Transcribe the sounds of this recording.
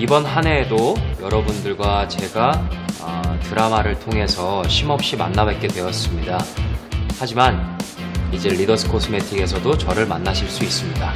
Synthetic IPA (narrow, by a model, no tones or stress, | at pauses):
ibʌnɦane̞dojʌɾʌbundɯɭɡwat͡ɕe̞ɡaʌtɯɾamaɾɯɭtʰoŋɦe̞sʰʌɕʰimʌp̚ɕ͈ima̰nːabwek͈e̞dwe̞ʌs͈ɯmɲida | had͡ʑiman | id͡ʑe̞ɾidʌsʰɯ̥kʰosʰɯme̞tʰiɡe̞sʰʌdot͡ɕʌɾɯɭmanːaɕʰiɭs͈uis͈ɯmɲida